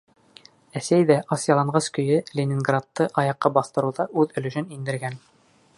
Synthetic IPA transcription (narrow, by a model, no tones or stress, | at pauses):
æsæjðæʔɑsjɑlˠɑɴʁɑskɵ̆jɘlʲenʲɪnɡrat̪ːɤʔɑjɑqːɑbɑθt̪ɤ̆ɾuðɑʔʉðɵ̆lɵ̆ʃɘnind̪ɘ̆ɾɡæn